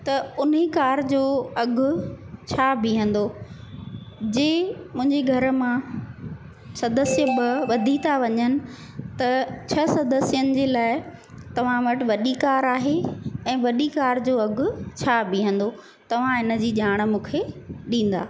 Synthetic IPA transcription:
t̪ɐʊnɦekaːɾd͡ʑoːɐɡʱʊ̆t͡ɕʰabʱɪɦə̃nd̪o | d͡ʑeːmʊ̃ɦɪ̃ɲd͡ʑeɡʱɐɾmã | sɐd̪əsijəbɐʋɐd̪ʱit̪ʰaʋɐɲənɪ̆ | t̪ɐt͡ɕʰɐsɐd̪əsijənɪ̆d͡ʑeːlaːɪ | t̪ɐʋ̤ãʋɐʈɪ̆ʋɐɗikaːɾaːɦeɛ̃ːʋɐɗikaːɾd͡ʑoːɐɡʱʊ̆t͡ɕʰabʱiɦə̃nd̪o | t̪ɐʋ̤ãɪnə̆d͡ʑiːʄaːɽ̃̆mũːkʰeɗĩːn̆d̪a̰ː

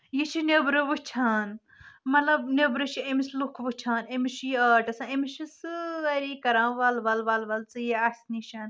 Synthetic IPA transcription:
jit͡ʃʰinʲebɾɨʋɨt͡ʃʰaːn | mɐt̪lɐbnʲebɾɨt͡ʃʰiemislukʰʋɨt͡ʃʰaːnemiʃijiəːʈɐsãːemiʃisɨɐɾikɐɾãːʋɐlʋɐlʋɐlʋɐlt͡sɨjiɐsniʃɐn

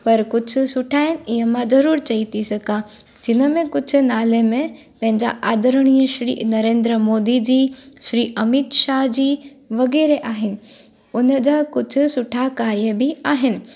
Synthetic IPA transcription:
pɐɾkʊd͡ʑʱʊ̆sʊʈʰaːɪnɪ̆ɪɦəmãzɐɾuːɾt͡ɕɐit̪ʰisɐɡʱa | d͡ʑɪnəmẽkʊd͡ʑʱʊ̆naːlemẽpɐ̃ɦɪ̃ɲd͡ʑa̰ʔaːd̪əɾəɽ̃iːəʃɾḭːnɐɾẽːnd̪ɾəmoːd̪id͡ʑiːʃɾiːʔɐmɪt̪ʃaːɦd͡ʑiː | ʋɐɣɛːɾeʔaːɦɪnɪ̆ | ʊnəd͡ʑaːkʊd͡ʑʱʊ̆sʊʈʰakaːiəbɪaːɦɪnɪ̆

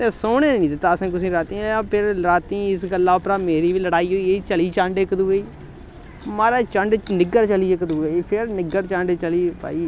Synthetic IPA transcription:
t̪eːsoːneːnĩːd̪ɪt̪ːaːəsẽːkʊsĩːɾaːt̪iːãːpʰɪɾɾaːt̪ĩːɪsɡəlːaːʊpɾaːmeːɾiːʋiːləɽaːiːɦoːiːet͡ʃəliːt͡ʃə̃ɳɖekd̪uːeːiː | maːɾaːt͡ʃəɳɖnɪɡəɾt͡ʃəliːɪkd̪uːeiːpʰɪɾnɪɡəɾt͡ʃə̃ɳɖt͡ʃəliːpa̰ːiː

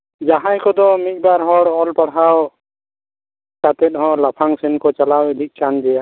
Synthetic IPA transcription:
d͡ʒaɦãjkɔd̪ɔmik̚ˀbaɾɦɔɽɔlpaɽaw | kat̪ɛt̪̚ɦɔ̃lapʰaŋsɛnkɔt͡ʃalawed̪ʱik̚t͡ʃandɛja

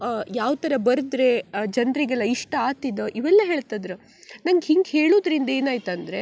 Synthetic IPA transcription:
jaːʋt̪ɐɾɐbɐɾɨd̪ɾed͡ʒɐnɾiɡɐɭːɐiʂʈɐaːt̪id̪oʔiʋɛlːɐɦeːɭt̪ad̪ɾu | nɐŋɡɦiŋɡɦe̞ːɭoːd̪ɾind̪e̞ːnaːjt̪ɐnd̪ɾe̞

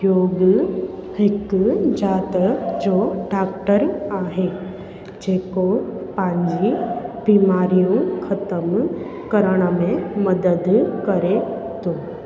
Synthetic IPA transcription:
joːɡ | hɪkd͡ʒaːt̪əd͡ʒoɖaːk̚ʈəɾaːɦe | d͡ʒeːkopãːɲd͡ʒibimaːɾijũkʰət̪əm | kəɾəɽ̃mẽməd̪əd̪kəɾe | t̪o

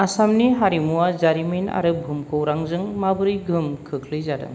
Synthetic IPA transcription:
asamniɦaɾimuwazaɾimina̰ɾɯbʱumkʰɯwɾaŋzɯŋmabɯɾɯjɡʱɯmkʰɯkʰlɯjzadɯ̰ŋ

